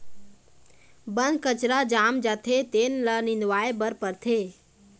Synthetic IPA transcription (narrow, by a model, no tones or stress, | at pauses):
bənd̪kət͡ʃɾad͡ʒaːmd͡ʒaːt̪ʰet̪enlənĩnd̪ʋaːebəɾpəɾt̪ʰe